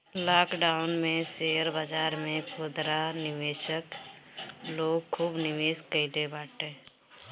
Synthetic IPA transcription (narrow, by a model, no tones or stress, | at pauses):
laːkɖaːʊnmẽseːəɾbad͡ʒaːɾmẽpod̪ɾanɪʋeːʃək | loːɡkʰːuːbnɪʋeːskəɪlebaːʈẽː